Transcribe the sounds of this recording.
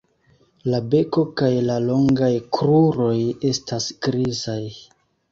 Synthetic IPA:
labe̞ko̞kajlalo̞ŋɡajkɾuɾo̞je̞stasɡ̥ɾizaj

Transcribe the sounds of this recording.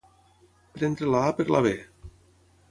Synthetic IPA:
eɾent̪ɾelapeɾlʔa̰βe

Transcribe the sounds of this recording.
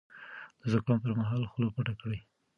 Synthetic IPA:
d̪̥əzʊkɑnpəɾmaɦɑlxlopaʈakɽaj

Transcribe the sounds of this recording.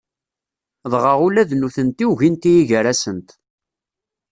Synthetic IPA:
ðʁəʁulæðnuθənt̪iwʝint̪ijiʝəɾæsənt̪

